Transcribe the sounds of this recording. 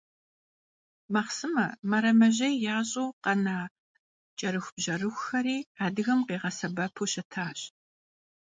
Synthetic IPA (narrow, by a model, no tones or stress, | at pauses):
mɐχsɨmɐ̰mɐɾɐmɐʑɐjjaːɕʼoːqɐnaː | t͡ʃʼɐɾɨxʷb̥ʑɐrɨxʷxɐɾiːaːdɨɣɐmqeːʁɐsɐbɐpʰoːɕɐtʰaːɕ